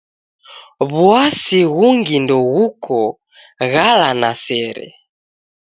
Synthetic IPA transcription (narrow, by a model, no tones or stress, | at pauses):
βwasiɣuŋɡindɔɣukʰɔ | ɣalanasɛɾɛ̰